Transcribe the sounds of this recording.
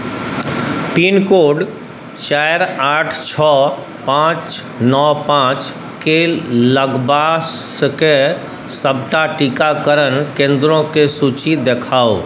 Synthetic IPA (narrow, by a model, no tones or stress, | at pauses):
piːnkoːɖ | t͡ʃaːjəɾaːʈʰt͡ʃʰɔː | pãːt͡ʃ | nɔːpãːt͡ʃ | keləɡbaːs | ke | səbʱʈaʈikakəɾənkẽːnd̪ɾõkesuːt͡ʃid̪eːkʰaːo